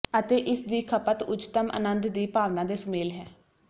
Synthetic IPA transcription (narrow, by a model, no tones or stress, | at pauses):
ət̪eːʔɪsd̪iːkʰəpət̪ʊd͡ʒt̪əmʔə̰nənd̪d̪iːpaːʋnãːd̪eːsʊmeːlɦɛː